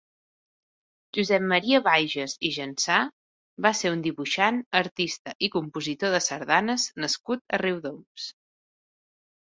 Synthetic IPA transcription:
ʒuzɛpmːəɾiəβajʒəziʒənsa | baseund̪iβuʃanəɾt̪ist̪əʔikumpuzit̪oðəsəɾðanəznəskut̪əriwðoms

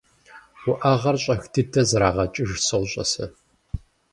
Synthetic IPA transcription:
wʊʔaːʁɐrɕʼɐxtʰɨtʰɐzɐɾaːʁɐt͡ʃʼɪʒsɨwɕʼɐ̰sɐ

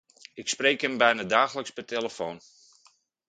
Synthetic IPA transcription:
ɪkspreːkɦəmbɛjnadaːxələkspəteləfoːn

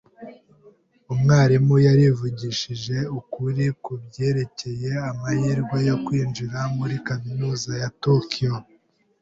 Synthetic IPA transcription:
umŋaːɾimujaɾivuɟiʃiʒe̞ukuɾikubɟe̞ːɾe̞ce̞je̞amahiːɾɡwajokwiːnd͡ʒiɾamuɾikaminuːzajatokʰijo

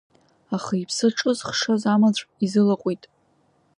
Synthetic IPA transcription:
aχaipʰsɨʈ͡ʂʼɨzχʂazamat͡ɕʷʰʼizɨlaqʷʼitʼ

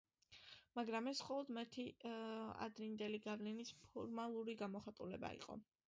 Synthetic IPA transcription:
maɡɾamɛsχɔlˠɔd̪mat̪ʰi | a̰d̪ɾind̪ɛliɡavlinispʰɔɾmalˠuɾiɡamɔχat̪ʼulɛba̰ḭqʼɔ̰

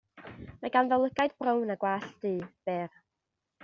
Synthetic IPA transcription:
maɡanðɔlˠəɡajdbrownaɡwaːɬd̥iːb̥ɛr

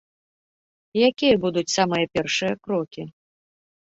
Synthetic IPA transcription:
jakʲijɐbud̪ut͡sʲsamɨjɐpʲɛrʂɨjɐkɾɔkʲi

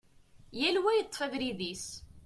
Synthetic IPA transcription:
jælwæjət̪ˤːfæðɾiðis

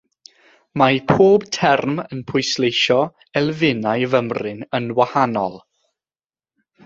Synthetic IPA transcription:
mapʰoːb̥tʰɛrmənpʰʊjslejʃɔ | ɛlˠvɪnajvəmrɪnənwahanɔ̰lˠ

